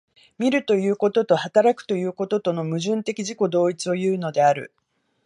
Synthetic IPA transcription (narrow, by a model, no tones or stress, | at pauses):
mʲiɾɯ̟t̪o̞jɯ̟ːko̞t̪o̞t̪o̞hat̪aɾakɯ̟̥t̪o̞jɯ̟ːko̞t̪o̞t̪o̞no̞mɯ̟ʑɨ̃nt̪e̞kʲiʑiko̞d̪o̞ːit͡sɨo̞jɯ̟ːno̞d̪e̞aɾɯ̟̰